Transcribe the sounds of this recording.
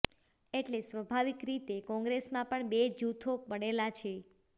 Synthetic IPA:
eʈlesʋəbʱaʋikɾit̪ekɔ̃ŋɡɾesmãpəɳbed͡ʒut̪ʰopəɽelat͡ʃʰe

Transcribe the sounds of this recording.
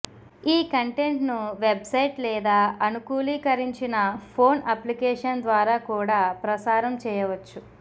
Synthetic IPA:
iːkɐɳʈe̞ɳʈnuʋe̞bsɐjʈlɛːd̪aːɐnukuːliːkɐɾiɲt͡ʃinɐpʰo̞ːnɐplikɛːʂɐnd̪ʋaːɾaːkuːɽaːpɾɐsaːɾɐmt͡ʃɛːjɐʋɐt͡ʃːu

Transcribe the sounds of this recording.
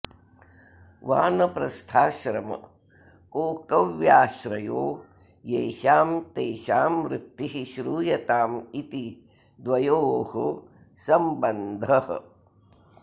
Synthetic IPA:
ʋa̰ːnɐpɾɐst̪ʰaːʃɾɐmɐ̰ | oːkɐʋjaːʃɾɐjoː | jeːʃaːmt̪eːʃaːmɾɪt̪ːiɦiʃɾuːjɐt̪aːmit̪i | d̪ʋɐjoːho | sɐmbɐnd̪ʱɐhɐ̰

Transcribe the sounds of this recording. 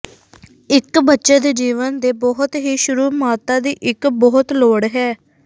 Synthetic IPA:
ɪkbətːʃeːd̪eːd͡ʒiːʋənd̪eːbɔɦʊt̪ɦiːʃʊɾuːmaːt̪ãːd̪iːʔɪkbɔɦʊt̪loːɽɦɛː

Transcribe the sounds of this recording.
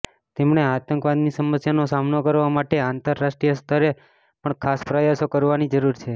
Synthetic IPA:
t̪emɳ̃eat̪əŋkʋad̪nisəməsjanosamnokəɾʋamaʈeãnt̪əɾːaʃʈɾijəst̪ʰəɾe | pəɳkʰaspɾəjasokəɾʋanid͡ʒəɾuɾt͡ʃʰe

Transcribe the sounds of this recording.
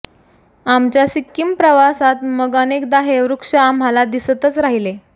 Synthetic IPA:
amt͡ɕjasikːimpɾəʋasat̪məɡanek̚d̪aɦeɾukʂaːm̤alad̪ist̪ət͡sɾaɦile

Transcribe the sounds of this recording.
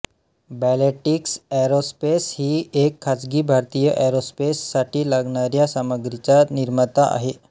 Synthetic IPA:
bɛleʈiksɛɾospeshiːekʰːad͡zɡiːbʱaɾt̪ijəʔɛɾospesːaʈiːlaɡɳaɾjasaməɡɾit͡saniɾmət̪aʔa̰ɦe

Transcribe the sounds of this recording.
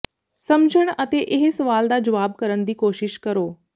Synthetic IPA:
sɐmd͡ʑʱəɽ̃ɐt̪eʔɪɦsɐʋaːld̪aːd͡ʑɐʋaːbkɐɾəɽ̃d̪iːkoːʃɪʃkɐɾoː

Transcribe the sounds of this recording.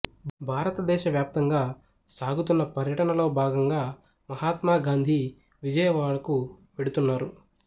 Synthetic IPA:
bʱaːɾɐt̪ɐd̪ɛːʃɐʋjaːp̚t̪ɐŋɡaː | saːɡut̪unːɐpɐɾjɐʈɐnɐlo̞ːbʱaːɡɐŋɡaː | mɐɦaːt̪maːɡaːnd̪ʱi | ʋid͡ʒɐjɐʋaːɭɐkuʋe̞ɽut̪unːaːɾu

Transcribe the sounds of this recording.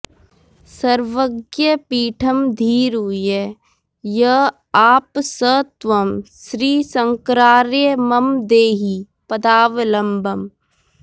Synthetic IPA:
sɐɾʋəɡjəpiːʈʰəmd̪ʱiːɾuje | jə | aːpsət̪ʋɐmʃɾiːsɐ̃ŋkɾaːɾjəmɐmd̪eːɦi | pɐd̪aːʋlɐmbʱəm

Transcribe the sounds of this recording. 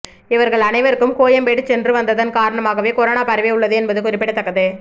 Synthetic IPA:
ɪʋɐɾɣɐɭɐnɐɪʋɐɾɯkːɯmkoːjɐmpeːʈːɯt͡ʃɛndrɯʋɐnd̪ɐðɐnkaːɾɐɳɐmaːɣɐʋeːkɔɾoːnaːpɐɾɐʋɪʊɭːɐðɯɛnbɐðɯkʊɾɪpːɪɽɐt̪ːɐkːɐðɯ

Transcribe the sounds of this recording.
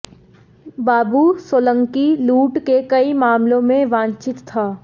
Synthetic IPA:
baːbusoːlə̃ŋkiluːʈkekɐimaːmlõmẽʋãːɲt͡ʃɪt̪ʰːaː

